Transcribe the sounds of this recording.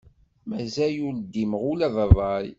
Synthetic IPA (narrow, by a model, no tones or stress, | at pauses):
mæzæjuld̪iməʁʊlæðˤəvˤɑj